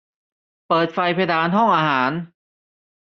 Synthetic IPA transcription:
pɤː˨˩t̪̚fa˧jpʰa˧daː˧nɦɔ˥˩ŋʔaː˧haː˩˦n

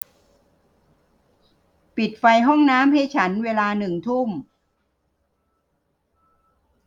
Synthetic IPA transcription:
pi˨˩t̪̚fa˧jɦɔ˥˩ŋnaː˦˥mha˥˩jt͡ɕʰa˦˥nweː˧laː˧nɯ˨˩ŋt̪ʰu˥˩m

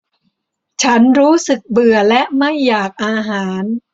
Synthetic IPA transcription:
t͡ɕʰa˦˥nɾuː˦˥sɯ˨˩k̚bɯ˨˩ɐlɛ˦˥ʔma˥˩jːaː˨˩k̚ʔaː˧ɦaː˩˦n

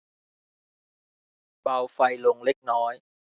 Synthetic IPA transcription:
ɓaː˧˩wfa˧jlu˧ŋli˦˥k̚nɔ˨˦j

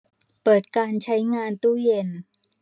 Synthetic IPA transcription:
pɤː˨˩t̪̚kaː˧nt͡ɕʰa˦˥jŋaː˧nt̪uː˥˩je˧n

